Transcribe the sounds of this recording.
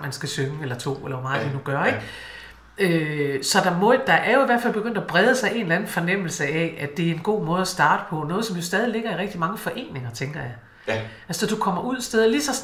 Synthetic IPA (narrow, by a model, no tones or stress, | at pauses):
mænsɡ̥æsøŋəelɐt͡sʰo̝̰ːelɐʋɒmɑ̈ːð̩ˠd̥enuɡ̥ɶɐeɡ̥ | øsɒ̽d̥ɑ̈mɔ̽d̥ɑ̈ʔæɐjo̝iʋæɐfælb̥eɡ̥øn̰d̥æb̥ʁɛð̞ˠəsɑ̈ɪʔe̝nlænn̩fɒ̽nem̰l̩səɛæ̥e̝æɐe̝nɡ̥o̝̰ːmɔ̽ːðˠæsd̥ɑ̈ːd̥əpʰɒ̽nɔ̽ːð̞̩ˠsɒ̽mjo̝sd̥ɛːð̞ˠile̝ɡ̥ɐiʁɛɡ̥d̥imɑ̈ŋəfɒ̽ʔe̝̰ːne̝ŋɐt͡sʰeŋɡ̥ɐjɑ̈ɪ | ælssɒd̥ukʰɒ̽mɐuð̞̰ˠsd̥eðˠɐlisɒ̽